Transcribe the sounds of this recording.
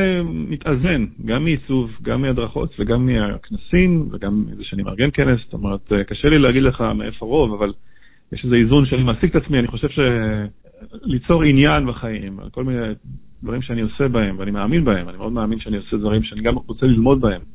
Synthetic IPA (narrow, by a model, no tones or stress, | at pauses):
emit̪ʔaze̞nɡamːiit͡suvɡamːiad̪ʁaχo̞̰t̪veɡamːiaknasimveɡamizeʃeanima̰ʁɡe̞nke̞nesst̪o̞̰meʁet̪ekaʃelileaɡid̪leχameʔefoʁo̞vaval | jeʃeze̞izunʃeanimasiket̪at͡smianiχo̞ʃevʃe̞ | lit͡so̞ʁinjanbaχajima̰lko̞lmined̪̥vaʁimʃeanio̞se̞bae̞mveanimeaːminbae̞manimeo̞d̪meaːminʃeanio̞sed̪vaʁimʃeaniɡamʁot͡selilmo̞d̪̚bae̞m